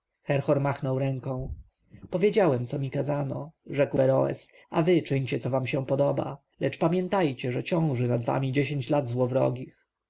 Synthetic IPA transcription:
xɛɾxɔɾmaxnɔwɾɛŋkɔ̃w̃ | pɔvʲjed͡ʑawɛmt̪sɔmʲikazanɔ̰ʐɛkwɛɾɔɛ̰s | avɘt͡ʂɘɲt͡ɕɛt̪sɔvamɕɛ̃pɔd̪ɔba̰ | lɛt͡ʂpamʲjɛnt̪ajt͡ɕɛʐɛt͡ɕɔ̃w̃ʐɘnad̪va̰mʲid͡ʑeɕeɲt͡ɕlad̪zwɔvɾɔ̰ɡʲix

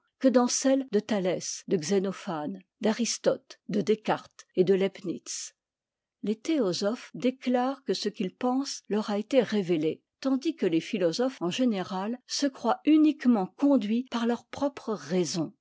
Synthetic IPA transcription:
kəd̪ɑ̃sɛld̪ət̪alɛsd̪əɡzenɔfan | d̪aʁist̪ɔt̪d̪əd̪ekaʁt̪ed̪əlɛpnit̪s | let̪eɔzɔfd̪eklaːʁkəsəkʲilpɑ̃slœʁaet̪eʁevele | t̪ɑ̃d̪ikəlefilɔzɔfɑ̃ʒeneʁalsəkχwaynikmɑ̃kɔ̃d̪ɥipaʁlœʁpχɔpχəʁɛzɔ̃

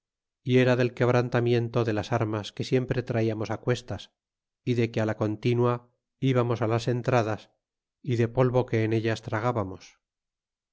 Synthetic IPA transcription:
ie̞ɾaðe̞lke̞β̞ɾant̪amje̞nt̪o̞ðe̞lasaɾmaske̞sje̞mpɾe̞t̪ɾaiamo̞sakwe̞st̪as | iðe̞kealako̞nt̪inwa | iβamo̞salase̞nt̪ɾaðas | iðe̞po̞lβo̞ke̞ːne̞ʎast̪ɾaɣ̞aβamo̞s

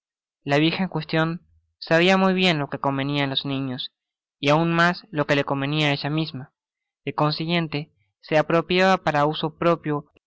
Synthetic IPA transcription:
laβ̞iɾxaeŋkwe̞st̪jo̞n | saβ̞iamujβje̞nlo̞ke̞ko̞mbe̞nianlo̞znĩɲo̞s | iaunmaslo̞ke̞le̞ko̞mbe̞niaeʒamizma | ðeko̞nsiɣje̞nt̪e̞ | se̞apɾo̞pjaβapaɾauso̞pɾo̞pjo

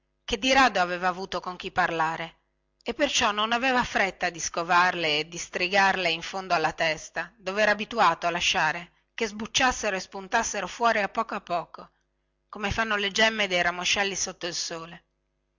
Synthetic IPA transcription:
ked̪ːiɾaːd̪oaveːvaːvuːt̪okoŋk̟ipːarlaːɾe | epːert͡ʃɔnːonaveːvafɾet̪ːad̪iskovarleːd̪ist̪ɾiɡarleiɱfond̪oalːat̪ɛst̪ad̪ovɛɾaːbit̪uaːt̪oalaʃːaːɾe | kezbut͡ʃːasːeɾoespunt̪asːeɾofwɔːɾiapːɔːkoapːɔːko | komefanːoled͡ʒɛmːed̪ejɾamoʃɛlːisot̪ːoilsoːle

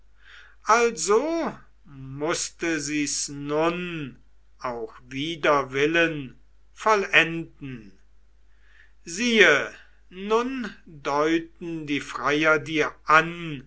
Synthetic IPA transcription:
ʔalzo | mʊstəziːsnʊn | ʔaʊxviːdɐvɪlən | fɔlɛndn̩ | ziːə | nʊndɔʏtn̩diːfʁ̥aɪjɐdiːɐʔan

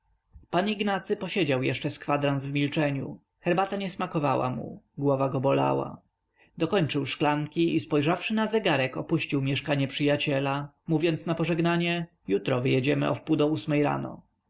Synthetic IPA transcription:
paniɡnat̪sɘpɔɕed͡ʑawjɛ̰ʂt͡ʂɛskfad̪ɾanzvmʲilt͡ʂɛɲṵ | xɛɾbat̪aɲɛsmakɔvawa̰mṵɡwɔvaɡɔbɔla̰wa̰ | d̪ɔkɔɲt͡ʂɘwʂklaŋkʲiispɔjʐafʂɘnazɛɡaɾɛkɔpuɕt͡ɕiwmʲjɛʂkaɲɛpʂɘjat͡ɕɛla | muvʲjɔnt̪snapɔʐɛɡnaɲɛ | jut̪ɾɔvɘjɛd͡ʑɛmɘ̰ɔ̰fpud̪ɔusmɛjɾa̰nɔ̰

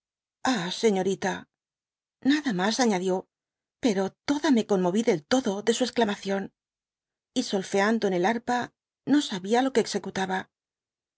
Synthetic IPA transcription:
ase̞ɲo̞ɾit̪a | naðamasaɲaðjo̞ | pe̞ɾo̞t̪o̞ðame̞ko̞nmoβiðe̞lt̪o̞ðo̞ðe̞sue̞sklamaθjo̞n | iso̞lfe̞and̪oene̞laɾpa | no̞saβialo̞ke̞ːkse̞kut̪aβa

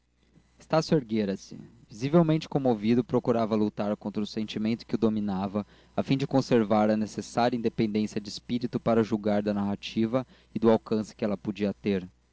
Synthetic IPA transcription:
ɪst̪asjueɾɡeɾɐsɪ̰ | vizivewmẽnt͡ʃɪ̥kõmovid̪ʊpɾokuɾavɐlut̪aɾkõnt̪ɾɐʊsẽnt͡ʃimẽnt̪ʊ̥kɪʊd̪ominavɐ | afĩd͡ʒɪkõseɾvaɾɐnesesaɾjɐĩnd̪epẽnd̪ẽsijɐd͡ʒɪːspiɾit̪ʊpaɾɐʊʒuwɡaɾd̪ɐnaɦat͡ʃivɐ | ɪd̪ʊawkɐ̃sɪ̥kɪɛlɐpod͡ʒiɐt̪eɾ

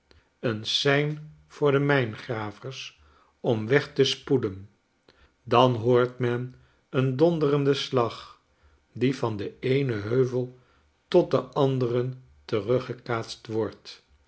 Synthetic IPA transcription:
ənsɛjn | vʊːɹdəmɛjnχraːvəɹs | ɔmʋɛχtəspudən | dɑnɦoːɹtmɛn | əndɔndərəndəslɑχ | divɑndəejnəɦøɥvəlˠ | tɔt̚dəʔɑndərən | tərɵχəkaːtstʋɔɹt

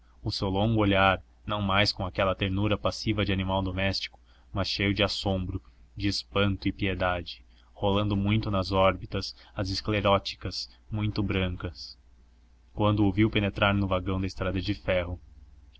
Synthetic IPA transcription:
ʊsewlõŋɡʊoʎaɾ | nɐ̃w̃majskõakɛlɐt̪eɾnuɾɐpasivɐd͡ʒɪanimawd̪omɛst͡ʃi̥kʊ̥ | mɐsʃejʊd͡ʒɪasõmbɾʊd͡ʒɪːspɐ̃nt̪ʊɪpied̪ad͡ʒɪ̥ | holɐ̃nd̪ʊmũj̃t̪ʊnɐzɔɾbit̪ɐsɐzɪskleɾɔt͡ʃi̥kɐs | mũj̃t̪ʊbɾɐ̃ŋkɐs | kwɐ̃nd̪ʊowviwpenet̪ɾaɾnʊvaɡɐ̃w̃d̪ɐɪst̪ɾad̪ɐd͡ʒɪfɛɦʊ

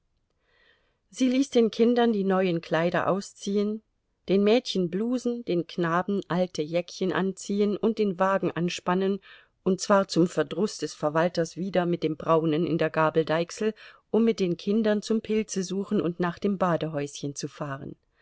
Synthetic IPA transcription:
ziːliːsd̥eːnkʰɪndɐndiːnɔʏənkʰl̥aɪɾɐ̰ʔa̰ʊst͡siːən | d̥eːnmɛːtçənbluːzn̩d̥eːnknaːbm̩ʔaltʰəjɛkçənʔa̰nt͡siːənʔʊnt̚d̥eːnvaːɡŋ̩ʔanʃpanən | ʔʊnt̚t͡sv̥aːɐt͡sʊmfɛɐdʁʊsd̥ɛsfɛɐvaltɐsv̥iːdɐmɪt̚d̥eːmbʁaʊnənɪ̰ndeːɐɡaːbl̩daɪksl̩ʔʊmːɪt̚d̥eːnkʰɪndɐnt͡sʊmpʰɪlt͡səzuːχn̩ʊ̰ntnaːχd̥eːmbaːdəɦɔʏsçənt͡sufaːʁə̰n

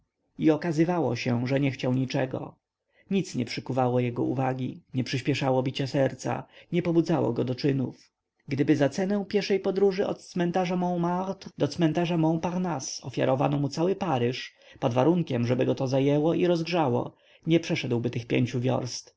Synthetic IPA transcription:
iɔkazɘvawɔ̰ɕɛʐɛɲɛxt͡ɕawɲit͡ʂɛɡɔ̰ | ɲit̪sɲɛpʂɘkuvawɔjɛɡɔ̰ṵvaɡʲiɲɛpʂɘɕpʲjɛʂawɔbʲit͡ɕasɛɾt̪sa̰ɲɛpɔbud̪zawɔ̰ɡɔd̪ɔt͡ʂɘnuf | ɡd̪ɘbɘzat̪sɛnɛw̃pʲjɛɾʂɛjpɔd̪ɾuʐɘɔ̰t̪̚t̪smɛnt̪aʐamɔ̃w̃maɾt̪d̪ɔt̪smɛnt̪aʐamɔ̃w̃paɾnasɔ̰fʲja̰ɾɔvanɔmut̪sawɘpaɾɘʂ | pɔd̪vaɾuŋkʲɛmʐɛbɘɡɔt̪ɔzajɛwɔiɾɔzɡʐawɔ̰ | ɲɛpʂɛʂɛd̪wbɘt̪ɘxpʲjḛɲt͡ɕuvʲjɔ̰ɾst̪

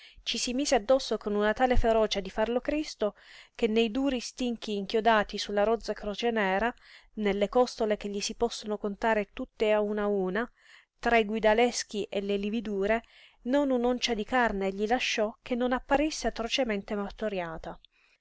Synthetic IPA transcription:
t͡ʃisimiːzead̪ːɔsːokonunat̪aːlefeɾɔːt͡ʃed̪ifarlokɾist̪ok̟enːejd̪uːɾist̪iŋk̟iːŋk̟jod̪aːt̪isulːaɾɔd̪zːakɾot͡ʃenɛːɾa | nelːekɔst̪olek̟eʎːisipɔsːonokont̪aːɾet̪ut̪ːeaunauːna | t̪ɾaiɡwid̪alɛsk̟iʔelelivid̪uːɾe | nonunɔnt͡ʃad̪ikarneʎilaʃːɔkːenːonapːaɾisːeat̪ɾot͡ʃement̪emart̪oɾjaːt̪a

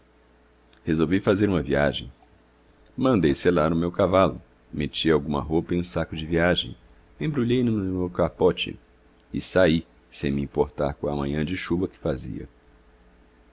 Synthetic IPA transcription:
hezowvifazeɾũmɐvia̰ʒḛ̃j̃ | mɐ̃nd̪ejselaɾʊmewkavalʊ̰ | met͡ʃiawɡũmɐ̰ɦowpɐẽj̃ũsakʊd͡ʒɪviaʒẽj̃ | ẽbɾuʎejnʊmmewkapɔt͡ʃɪ̰ | ɪ̰sai | sẽj̃miĩmpoɾt̪a̰ɾkõɐmɐ̃ɲɐ̃d͡ʒɪʃuvɐkɪ̥fazḭɐ̰

